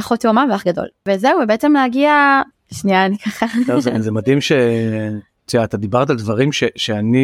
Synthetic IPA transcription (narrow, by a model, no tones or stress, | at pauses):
χot̪jomaveaχɡad̪o̰lvezeuvebeetemlehaɡia | ʃnianikaχatovzezemad̪imʃe | t̪iaːt̪ad̪ibaʁt̪ald̪vaʁimʃeʃeani